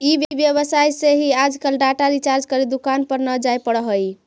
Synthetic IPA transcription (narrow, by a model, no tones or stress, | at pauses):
ibjbjeβəsajseɦiad͡ʒkəlɖaʈaɾit͡ʃaɾd͡ʒkəɾid̪ukanpəɾnəd͡ʒajpəɽəɦəj